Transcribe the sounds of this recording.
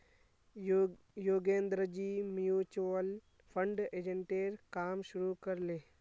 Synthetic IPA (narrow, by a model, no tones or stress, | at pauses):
joːɡẽːnd̪ɾəd͡ʒimjuːt͡ʃəl | pʰə̃ɳɖeːd͡ʒẽɳʈeːɾkaːmʃʊɾukəɾleː